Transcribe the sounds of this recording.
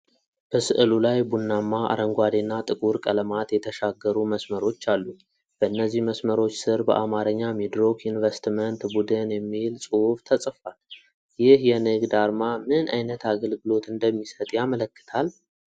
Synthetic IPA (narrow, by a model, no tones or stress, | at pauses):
b̥əsɨʔɨlulajbunːamːaʔa̰ɾəŋɡʷad̪enːat̪ʼɨkʼuɾkʼələmat̪jɛt̪ʰəʃaɡːəɾuməsməɾo̞t͡ʃːalːu | b̥əɨnːəzːihməsməɾo̞t͡ʃːsɨɾbə̰ʔamaɾəɲːamid̪ɾo̞kjunvəst̪mənt̪bud̪ɨnjɛmːilsʼɨhuft̪ʰəsʼfal | jɪhjɛnɨɡd̪aɾmamɨna̰jnət̪ʰaɡəlɡɨlo̞t̪ɨnd̪əmːisət̪ʼjamələkːɨ̥t̪ʰal